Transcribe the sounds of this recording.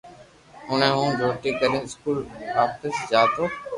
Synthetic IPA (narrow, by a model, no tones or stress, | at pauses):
ɦʊnẽːɦũːɾʱoːʈiːkəɾẽːɪskuːlaːpʈ̪əsd͡ʒaːt̪oː